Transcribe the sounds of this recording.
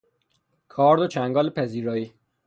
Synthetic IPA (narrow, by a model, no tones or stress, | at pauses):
kʰɒːɾd̪ot͡ʃʰæŋɡɒːlepʰæziːɾɒːi